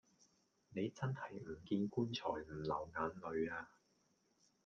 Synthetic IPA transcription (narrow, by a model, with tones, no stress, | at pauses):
ne˨˧jt͡sɐ˥nhɐ˨˩jm̩˨˩kiː˧nkuː˥nt͡ʃʰɔ̰ː˨˩jm̩˨˩lɐ˨˩wŋaː˨˧nlɵ˨˧ɥaː˧